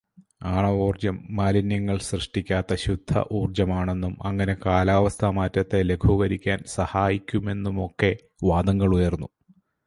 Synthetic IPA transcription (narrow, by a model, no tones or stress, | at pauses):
aːɳɐʋuːrd͡ʑɐmːaːlinjɐŋːɐɭsrɨʂʈikʲːaːt̪ːɐɕud̪ʱːɐ̰ʔuːrd͡ʑɐmaːɳe̞nːumɐŋːɐne̞kaːlaːʋɐst̪ʰɐmaːtːɐt̪ːe̞le̞kʰuɣɐɾikʲːaːnsɐhaːjikʲːume̞nːumo̞kːe̞ | ʋaːd̪ɐŋːɐɭujɐrnːu